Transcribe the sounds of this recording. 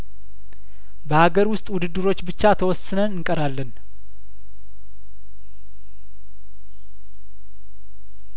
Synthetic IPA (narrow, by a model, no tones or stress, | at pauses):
bəhaɡəɾwʊst̪ʼwʊd̪ɨd̪ːɨɾo̞t͡ʃːbɨt͡ʃːat̪ʰəwɔsːɨnənɨŋkʼəɾalːən